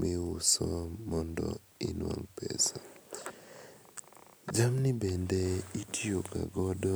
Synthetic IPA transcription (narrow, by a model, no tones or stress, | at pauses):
mʔɪʊsɔmɔndɔ | inwa̰ŋpḛsa | d͡ʒamnɪbendeitʰiokaɡɔdɔ